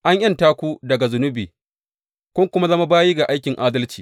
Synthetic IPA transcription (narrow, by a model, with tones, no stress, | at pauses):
ʔa˦ɲʔɐ˦ntaː˦kʷu˦dɐ˨ɡa˨zʊ˦nʊ˦biː˨ | kʷʊ˦ŋkʷʊ˦ma˦zɐ˦ma˦baː˦jiː˦ɡa˨ʔa˦jkʲɪ˨ŋʔaː˦dɐ˦lt͡ʃiː˨